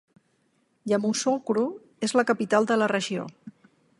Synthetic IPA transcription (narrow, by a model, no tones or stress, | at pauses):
ʎamusokɾu | ezləkəpit̪alˠd̪ələrəʒio̰